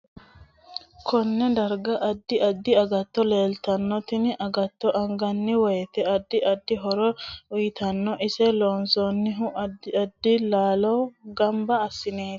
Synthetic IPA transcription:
kʰɔnːɛd̪ɐɾɡɐʔɐd̪ːɪɐd̪ːɪɐɡɐt̪ːɔle̞ːlt̪ɐnːɔt̪ɪnʔɐɡɐt̪ːɔʔɐŋɡɐnːɪwɔjɛt̪ɛɐd̪ːɪʔɐd̪ːɪɦɔɾɔʊjɪt̪ɐnːɔʔɪsɛloːnsoːnːɪɦʊɐd̪ɐd̪ːɪlaːlɔɡɐmbɐɐsːɪneːt̪

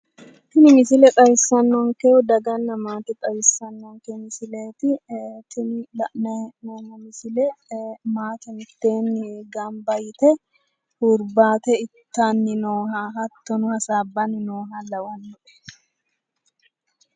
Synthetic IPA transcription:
t̪ɪnɪmɪsɪlɛk̪ʼɐjɪsːɐnːɔŋkɛd̪ɐɡɐnːɐmaːt̪ɪk̪ʼɐjɪsːɐnːɔŋkɛmɪsɪleːt̪ɪt̪ʰɪnɪlɐʔnɛnɛnːɐmɪsɪlɛmaːt̪ɛnɪt̪ːe̞ːnɪɡambɐjt̪ɛ | hʊɾbaːt̪ɛɪt̪ːanːɪnoːɦaːɦɐt̪ːɔnʊhɐsaːbːɐnɪnoːɦɐlɐwɐnːʊʔɛ̥

